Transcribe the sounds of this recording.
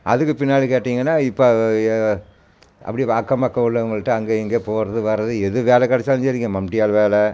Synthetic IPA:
ʔɐðɯkːɯpɪnːaːlikeːʈːiːŋɡɐnːaːɪpːo | ʔɐ̰pːɐɽiʋaːkːɐmɐkːɐ̃ʊɭːɐŋɡɐɭʈːɯɐŋɡeːɛŋɡeːpoːɾɐðɯʋɐɾɐðɯɛðɯʋeːlɛkɐɽɛt͡ʃːaːɲd͡ʒɐɾɪŋɡɐ̃mɐmʈɪjaːlʋeːlɛ

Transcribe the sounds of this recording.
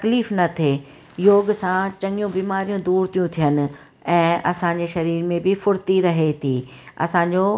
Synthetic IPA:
t̪ɐkliːfnɐt̪ʰe | joːɡsãt͡ɕɐ̃ŋɡijũbiːmaːɾijũd̪uːɾt̪ʰijũt̪ʰijənɪ̆ | ɛ̃ːɐsãːɲ̆d͡ʑeʃɐɾiːɾmẽbɪfʊɾt̪iɾɐɦet̪ʰiː | ɐ̰sãɲd͡ʑoː

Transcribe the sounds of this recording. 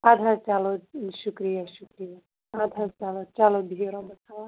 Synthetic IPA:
ad̪ʱaɾt͡ʃaloʃukɾijɐʃukɾijɐ | aːd̪ʱaɾt͡ʃaːlot͡ʃalobʱiiɾɔ̃bɐtʰaʋa

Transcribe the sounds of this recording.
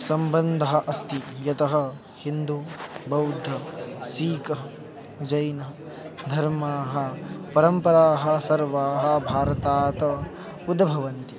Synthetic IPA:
sɐmbɐnd̪ʱɐɦɐ̆ʔɐst̪ʰijɐt̪ɐɦɐ̆ | hind̪ubɐwd̪ʱːɐsiːkɐ | d͡ʒɐjnɐ | d̪ʱɐɾmaːɦɐ̆pɐɾɐmpɐɾaːɦɐ̆sɐɾʋaːɦɐ̆bʱaːɾɐt̪aːt̪ɐ | ud̪ʱbʱɐʋɐnt̪i

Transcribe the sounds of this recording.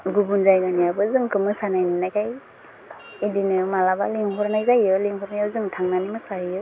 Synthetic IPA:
ɡubunzajɡanijabɯzɯŋkɯmɯsanajninajkaj | idinɯmalabaliŋɦʰɔɾnajzajɯliŋkʰɔɾnajawzɯŋtʰaŋnanimɯsajɯ

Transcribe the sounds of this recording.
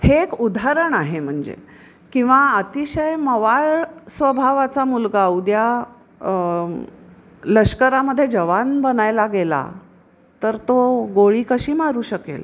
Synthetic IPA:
heːkud̪ʱaaɾəɳaɦem̤əɳd͡zḛ | kĩw̃ʋaət̪iɕəjməʋaɭsʋəbʱaʋat͡samulɡaud̪ja | ləɕkəɾaməd̪ʱːjed͡ʑəʋanbənajlaɡela̰ | t̪əɾt̪oɡoɭiːkəɕiːmaɾuːɕəkḛl

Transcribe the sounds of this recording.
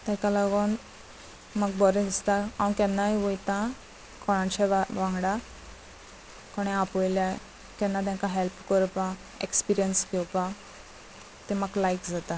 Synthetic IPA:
t̪ɛ̃kalaɡon | maɡ̚bɔɾəd̪ist̪aãkɛ̃nːaiʋojt̪ã | kʰɔɭãnɕɛʋãŋɡɽa | kɔɽ̃ɛapɔjlja | kɛ̃nːat̪ãŋkaɦɛlpkəɾpa | ekspiɾijənskɛwpã | t̪emaɡlajkd͡zat̪a

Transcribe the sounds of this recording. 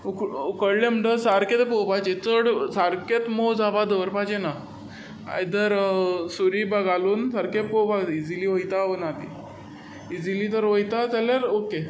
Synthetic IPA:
ukukəɽlem̤əɳʈəsaɾket̪popat͡ɕet͡səɽsaɾket̪mod͡zʱabad̪əʋəɾpad͡ʑena | a̰jd̪əɾsuɾibəɡaluːnsaɾkepobaid͡ziliʋəjt̪aʋənat̪ḭ | id͡zilit̪əɾʋəjt̪ad͡zaljaɾoke

